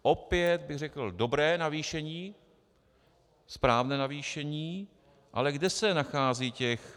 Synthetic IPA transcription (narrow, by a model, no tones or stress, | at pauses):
ʔopjɛt̪̚bɪɣr̝ɛkl̩do̞bɾɛːnaviːʃɛɲiː | spɾaːvnɛːnaviːʃɛɲiː | ʔa̰lɛɡdɛsɛnaxaːziːcɛx